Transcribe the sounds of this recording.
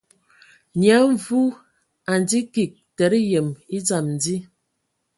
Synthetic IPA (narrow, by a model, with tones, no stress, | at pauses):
nja˨˦ɱ˦vu˦ | a˨n˨di˦ki˨k̚tɛ˨˦ɾi˦jɛ˨mi˦d͡za˨mn˨di˦